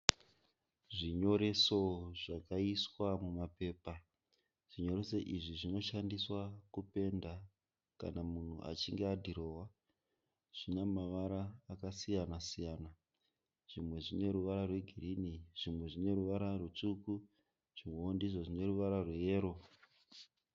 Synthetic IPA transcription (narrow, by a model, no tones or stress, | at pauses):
ʐiɲo̞ɾe̞so̞ʐakaiswamumape̞ːpa | ʐ̥iɲo̞ɾe̞seʔiʐiʐino̞ʃandiswakupe̞nda | ka̰namun̤ṵʔa̰t͡ʃiŋɡeadʱiɾo̞ːwa | ʐ̥inemaʋaɾaːkasijanasijaːna | ʐ̥imwe̞ʐine̞ɾuʋaɾarwe̞ɡʱiriniʐ̥imwe̞ʐine̞ɾuʋaɾarut͡ʂuku | ʐ̥imoondizwaʐine̞ɾuʋaɾarwejeːɾo̞